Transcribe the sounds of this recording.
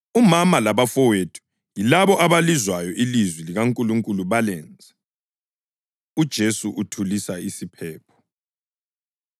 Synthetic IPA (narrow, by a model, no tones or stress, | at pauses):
umamalaβafɔwetʰu̥ | jilaβɔʔaβalizwajɔʔilizwiliɣaŋkʼuluŋkʼuluβalɛnd͡zʱa | ud̥ʒ̥ʱesuʔutʰulisaisipʰɛːpʰɔ̥